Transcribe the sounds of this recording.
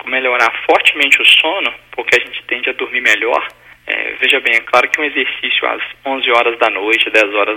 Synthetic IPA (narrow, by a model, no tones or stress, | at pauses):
meʎoɾaɾfɔɾt͡ʃɪmẽnt͡ʃɪʊsõnʊpoɾkeaʒẽnt͡ʃɪ̥t̪ẽnd͡ʒɪɐd̪ʊɾmiɾmɛʎɔ̰ɾ | ɛ̰veʒɐbẽj̃klˠaɾʊkɪũezeɾsisjʊa̰zõzɪɔɾɐzd̪ɐnojt͡ʃɪd̪ɛzɔɾɐ